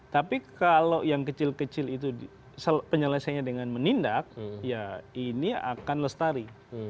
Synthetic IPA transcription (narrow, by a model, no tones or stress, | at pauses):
t̪apikaloʔjaŋkət͡ʃɪlkət͡ʃɪlit̪u | səpəɲələsaɲadəŋanmənindak̚jainia̰kanləst̪aɾi